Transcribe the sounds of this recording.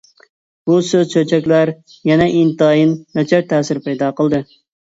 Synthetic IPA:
b̥usøzt͡ʃʰøt͡ʃʰɛkʲlæɾ | jɛnɛʔint̪ɑːjinːɛt͡ʃʰɛɾt̪ʰːɛːsɪɾpɛjd̪ɑːqʰəlˠd̪ɨ

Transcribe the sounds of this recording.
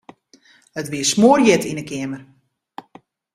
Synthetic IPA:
ətʋiəsmoːrjɛtʰinəkɪəmər

